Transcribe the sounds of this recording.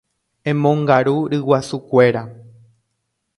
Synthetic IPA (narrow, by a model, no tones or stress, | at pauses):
ẽmõŋɡaɾuɾɨwasukʷe̞ɾa